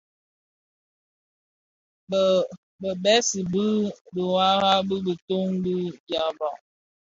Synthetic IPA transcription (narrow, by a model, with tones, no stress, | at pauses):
b | bə˨bɛ˦si˨bə˦bə˨wa˦ɣa˦bə˦bə˨to˦ŋbi˦bja˨ba˨